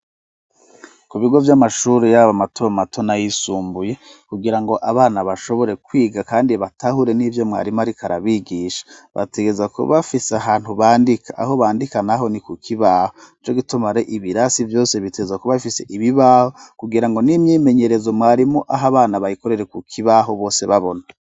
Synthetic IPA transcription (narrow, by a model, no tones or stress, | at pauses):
kuβiɡo̞vjamaʃuɾejaβamatʰoomato̞najisuːmbuje̞kuɡiɾaŋɡo̞ʔaβaːnaβaʃo̞βo̞ɾe̞kwiːɡakaːndiβatʰaɦuɾe̞nivjo̞mŋa̰ːɾimaɾikaɾa̰βiɡiːʃḁβa̰teɡe̞zakṵβafiseaɦaːn̥huβaːndikʰaʔa̰ho̞βaːndikanaɦo̞nikukʰiβaːhoit͡ʃoɡitumaɾeʔiβiɾasivjo̞ːse̞βiteɡezakuβafise̞̰ʔiβiβaːho̞kuɡiɾaŋɡo̞nimɲiːme̞ɲe̞ɾe̞zo̞mŋaːɾimoʔaɦaβaːnaβaiko̞ɾe̞ɾe̞kukʰiβaɦo̞βo̞ːse̞βaβo̞na